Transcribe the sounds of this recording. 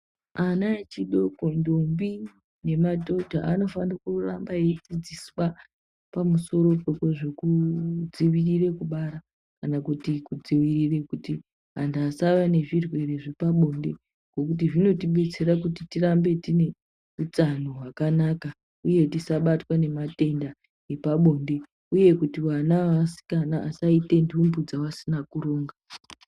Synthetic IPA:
anaet͡ʃiɗo̞kondombi | ne̞madʱo̞dʱa̰ʔano̞fanakurambaet͡sid͡ziswa | pamuso̞ɾo̞po̞keʐe̞kud͡ziʋirire̞kuɓaɾa | kanakutikud͡ziwirire̞kuti | ɦandasaʋane̞ʐirwe̞reʐepaɓo̞nde̞̰ | ŋɡo̞kut̬iʐino̞tiɓe̞t͡se̞ɾakutitirambe̞tine̞ | ut͡sanoɦwakanaka | uje̞tisaɓatwane̞mate̞nda | epaɓo̞nde̞ | uje̞kutiwanaasi̥kanaːsaite̞ndumbud͡zawasinakuɾo̞ːŋɡa

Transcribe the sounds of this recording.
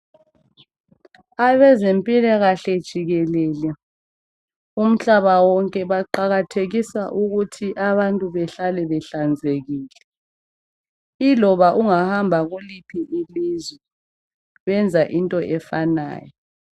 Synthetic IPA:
aβɛzempʼilɛɣaɬɛd̥ʒ̥ʱiɣɛlɛːlɛ | um̩ɬaβawɔŋkʼɛβaǃaɣatʰeɣisaʔuɣutʰiʔaβantʼuβɛɬalɛβɛɬand͡zʱeɣiːlɛ | ilɔβaʔuŋahambʱaɣulipʰiʔilizwɛ | βɛnd͡zʱaʔintʼɔʔɛfana̰ːjɔ

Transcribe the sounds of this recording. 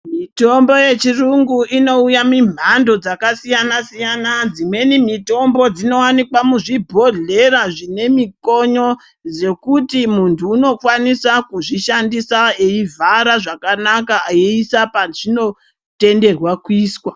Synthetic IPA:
mito̞mbo̞je̞t͡ʃiruŋɡuʔino̞ujamim̤ando̞d͡zakasijanasijanad͡zimwe̞nimito̞mbo̞d͡zino̞wanikwamuʐibʱo̞ɮe̞ɾaʐine̞miko̞ɲo̞ | d͡ze̞kutimuntʰuːno̞kwanisakuʐiʃandisaeivʱaɾaʐakanakaːiisapaʐino̞ | te̞nde̞rwakwiːswa

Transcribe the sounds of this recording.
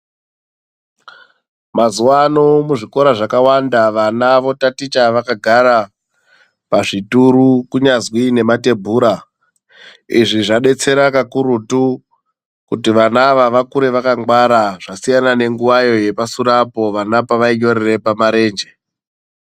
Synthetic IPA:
mazuwano̞muʐiko̞ɾaʐakawandaʋanaʋo̞tatit͡ʃaʋakaɡʱaɾa | paʐituɾukuɲazwine̞mate̞bʱuːɾa | ḭʐiʐaɗe̞t͡se̞ɾakakuɾutu | kutiʋanaʋaʋakuɾe̞ʋakaŋwaɾaʐ̥asijanane̞ŋɡuʋajo̞je̞pasuɾapo̞ʋanapaʋaiɲo̞ɾere̞pamaɾe̞ːnd͡ʒe̞

